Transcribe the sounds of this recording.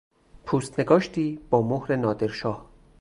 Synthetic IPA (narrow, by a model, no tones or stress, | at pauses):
pʰuːst̪ne̞ɡɒːʃt̪ʰiːb̥ɒːmohɾe̞nɒːd̪eɾʃɒːh